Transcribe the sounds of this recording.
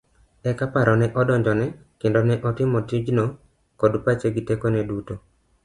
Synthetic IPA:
ɛkapaɾɔnɛʔɔdɔɲd͡ʒɔnɛkɪndɔnɛʔɔtɪmɔtid͡ʒno | kɔdpat͡ʃeɡitekonɛduto

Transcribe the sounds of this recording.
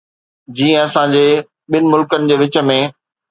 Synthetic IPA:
d͡ʑiːə̃ɐsãd͡ʑeː | ɓɪnɪ̆mʊlkənɪ̆d͡ʑeːʋɪt͡ɕə̆mẽ

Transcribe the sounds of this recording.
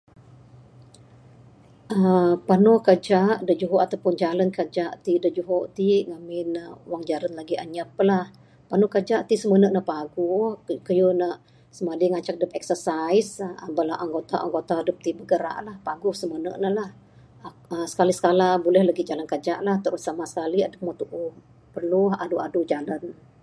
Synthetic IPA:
ʔəpanɔhkəd͡ʒaʔdəd͡ʒuɦoʔat̪awpʊnd͡ʒalankəd͡ʒaʔt̪idəd͡ʒuɦɔʔt̪iʔŋamɪnəwaŋd͡ʒalənlaɡiaɲəpəlah | panuhkəd͡ʒaʔt̪isəmənəʔnəhpaɡukəjunaʔ | səmadiŋat͡ʃak̚dəpɛksərsajsabəlaʔaŋɡot̪aʔa̰ŋɡot̪adəp̚t̪ibəɡəɾa̰ʔlahpaɡʊsəmənə̰ʔnəlah | əsə̥kalisə̥kalabulɛhlaɡid͡ʒalankad͡ʒaʔlaht̪əʔrɾusamasə̥kaliadək̚mat̪uʔu | pərluɦa̰duʔadud͡ʒalan

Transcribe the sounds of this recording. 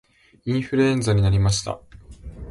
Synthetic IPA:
ĩɰ̃ɸɯ̟ɾɯ̟ẽ̞nd͡zaɲ̟inaɾʲimaɕi̥t̪a̰

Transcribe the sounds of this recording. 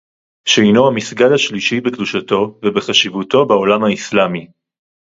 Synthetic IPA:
ʃeinohamisɡalaʃliʃibekduʃato̞vebeχaʃivuto̞beo̞lamhaislami

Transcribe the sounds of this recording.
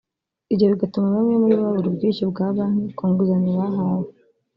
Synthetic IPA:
iɟieβiɡatumaβamŋemuɾiββaβuɾubɡiːnʃibɡaːβaːnukuːŋɡuzaniβaɦawe

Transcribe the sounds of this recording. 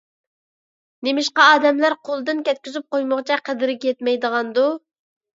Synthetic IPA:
nemɪʃqɑɑːd̪ɛmlæɾqʰolˠd̪ɨnkʲɛt̪̚kʲyzyp̚qojmʊʁt͡ʃʰɛqʰəd̪ɪɾɪkʲjɛt̪mɛjd̪əʁɑnd̪u

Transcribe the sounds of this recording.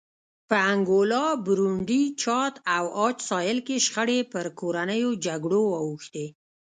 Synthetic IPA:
pəaŋɡolɑbɾuɳɖit͡ʃɑt̪awɑt͡ʃsɑjɪlkeʃxəɽepəɾkoɾanəjod͡ʒaɡɽoɑwuxt̪e

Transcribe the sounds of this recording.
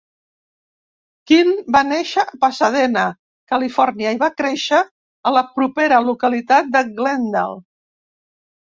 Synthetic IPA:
kinbaneʃəəpəsəðɛnə | kəlifɔɾniəiβakɾeʃəː | ləpɾupeɾəlukəlit̪at̪̚d̪əɡlɛnd̪ə̰l

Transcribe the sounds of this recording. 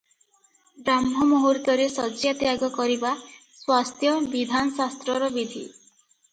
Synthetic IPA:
bɾamɦɔmɔɦuɾt̪ɔɾesɔd͡ʒjat̪jaɡɔkɔɾiba | swast̪ʰjɔbid̪ʱanɔsast̪ɾɔɾɔbid̪ʱḭ

